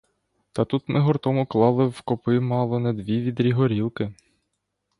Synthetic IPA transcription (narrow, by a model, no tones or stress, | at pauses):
t̪ɐt̪ut̪mɪɦɔrt̪ɔmʊklˠɑlˠɪwkɔpɪmɑlˠɔned̪ʋʲiʋʲid̪ɾʲiɦɔɾʲilˠkɪ